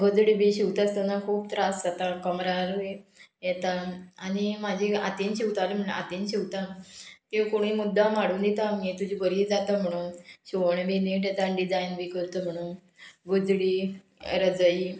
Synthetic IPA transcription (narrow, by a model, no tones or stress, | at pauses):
ɡʱod͡zɽibʱiɕiwt̪ast̪ənakʰuːb̚t̪ɾasd͡zat̪akəmɾaɾuejɛt̪aañimad͡ʑʱea̰t̪enɕiʋt̪alem̤əɳ̰a̰t̪inɕiʋt̪ãt̪ekoɽ̃imud̪ːamaɽuːnd̪et̪amet̪ud͡ʑʱibəɾiːd͡zat̪əm̤əɽ̃uːnɕiʋɳ̃ebeneʈ̬jet̪anɖid͡zainbikəɾt̪əm̤əɽ̃uːn | ɡod͡zɽi | ɾəd͡zəji